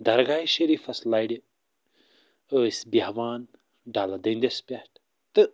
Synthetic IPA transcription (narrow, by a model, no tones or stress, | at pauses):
d̪ɐɾɡaːjʃɐɾiːfɐslaːjɖi | əːsʲbʲaːʋaːn | ɖaːlɐd̪ɐnd̪ʲɐspʲaːʈ | t̪ɨ